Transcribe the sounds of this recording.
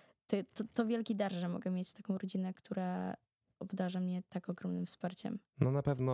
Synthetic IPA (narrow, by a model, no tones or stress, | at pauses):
t̪ɔt̪ɔt̪ɔvʲjɛlkʲid̪aɾʐɛmɔ̰ɡɛmʲjet͡ɕt̪akɔ̃w̃ɾɔd͡ʑinɛkt̪ʰuɾa | ɔbd̪aʐamɲɛt̪akɔɡɾɔmnɨmfspaɾt͡ɕɛ̰mnɔnapɛvnɔ